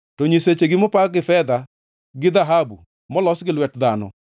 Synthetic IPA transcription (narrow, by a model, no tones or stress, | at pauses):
tɔɲiset͡ʃeɡɪmopaɡɪfɛd̪a | ɡɪd̪aɦabṵ | mɔlɔsɡɪlwɛtd̪anɔ̰